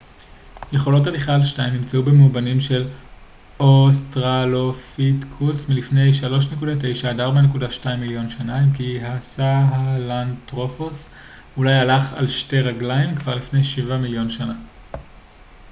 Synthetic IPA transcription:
je̞χo̞lo̞taliχaːlʃtaimnimt͡saube̞mubanimʃe̞l | ostʁalofitkʰusmilifne̞jʃalo̞ʃ̬ne̞kudate̞jʃaːdaʁbanekudaʃtaimːiljo̞nʃanaimkiɦasaɦalantʁofos | ulajalaχa̰lʃte̞ʁaɡlaimkvaʁlifne̞jʃivamiljo̞nʃana

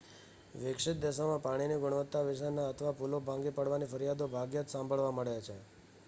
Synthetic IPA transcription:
ʋɪkʂɪt̪̚d̪ɛʃamãpaɽ̃iniɡʊɳ̃ʋət̪ːaʋɪʃ̬ənːaət̪ʰəʋapulobʱãŋɡipəɽʋanifəɾijad̪obʱaɡjət̪sãmbʱəɭʋaməɭjat͡ʃʰe

